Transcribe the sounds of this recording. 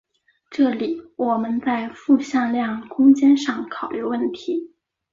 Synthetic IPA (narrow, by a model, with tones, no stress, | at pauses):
ʈ͡ʂɤ˥˩li˨˩˦wɔ˨˩mə˦nt͡sa˥˧ɪfu˥˧ɕjɑ˥˧ŋljɑ˥˩ŋkʰʊ˥ŋt͡ɕjɛ˥nʂɑ˥˩ŋkʰɑ˨˩ʊly˥˧wə˥˩nt̪ʰi˧˥